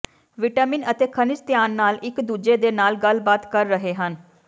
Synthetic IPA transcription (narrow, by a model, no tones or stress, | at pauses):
ʋɪʈaːmɪnət̪eːkʰənɪt͡ʃt̪ɪjaːnːaːlɪkd̪uːd͡ʒeːd̪eːnaːlɡəlbaːt̪kəɾːəɦeːɦən